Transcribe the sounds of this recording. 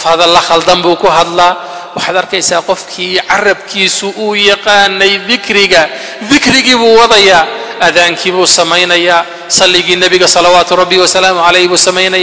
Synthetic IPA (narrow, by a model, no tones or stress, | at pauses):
fhɐðɐlːɐχɐld̪ɐmbuːkʰʊɦɐd̪laː | wɑħɑːd̪ɐrkʰɛjsaːqɔfkʰiːʕɑrɐbkʰiːsʊʔʊːjɑqɑːnɛjðɪkʰɾɪɣɐ | ðɪkʰrɪɣiːβuːwɑðɐjaːʔɐðaːŋkʰiβuːsɐmɛjnɐjaː | sɐlːɪɣiːnɐβɪɣɐsɐlɑwaːt̪ʰʊɾˤɑbːɪwɔsɐlaːmʊʕɑlɛjhβuːsɐmɛjnɐja